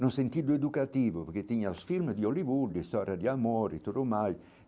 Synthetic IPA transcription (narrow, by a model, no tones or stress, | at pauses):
nunsent̪id̪ʊed̪ukat̪iːvʊpeɾk̟et̪ːiɲːasfilmd̪iolivud̪ːist̪ɔɾjad̪iamoːɾit̪uɾomaj